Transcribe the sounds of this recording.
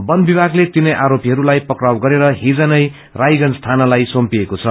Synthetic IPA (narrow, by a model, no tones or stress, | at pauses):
bʌnbibʱaɡlet̪inʌjʔaɾopiɦʌɾulajpʌkrawɡʌɾeɾʌɦid͡zʌnʌj | rajɡʌnst̪ʰanʌlajsompiekot͡sʰʌ